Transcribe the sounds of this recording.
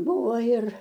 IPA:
ˈbuːʋoː ɪr

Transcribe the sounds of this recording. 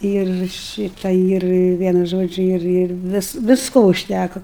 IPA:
ɪr ˈʃʲiːtɐ ɪr ˈʋʲiɛnʊ ˈʒoːd͡ʒʲʊ ˈɪr ˈɪr ˈʋʲɪs ʋʲɪsˈkoː ʊʃʲˈtʲækoː

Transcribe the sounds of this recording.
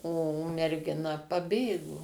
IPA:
oː mʲɛrʲɡʲɪˈnɐ pɐˈbʲeːɡoː

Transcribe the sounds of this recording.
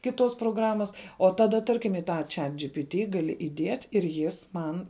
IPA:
ˈkʲɪˌtuɔs proːˈɡrɑːmɐs oː ˈtɑːˌdɐ ˈtɐrʲkʲɪm ɪ ˈtɐ ˈt͡ʃʲɛt d͡ʒʲɪpʲɪˈtʲɪ ɡɐˈlʲɪ ɪˈdʲiɛtʲ ɪr ˈjɪs ˈmɐn

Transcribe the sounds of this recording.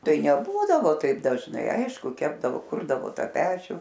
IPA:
ˈtɐɪ nʲɛˈbuːdɐʋoː tɐɪp dɐʒˈnɐɪ ˈɐɪʃkʊ ˈkʲæːbdɐʋoː ˈkʊrdɐʋoː ˈtɐ ˈpʲæːt͡ʃʲuː

